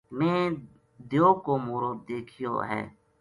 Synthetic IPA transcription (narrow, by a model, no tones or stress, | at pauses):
mɛ̃ː | d̪ejoːkoːmoːɾoːd̪̚d̪eːkʰijo̰ːɦɛ̰ː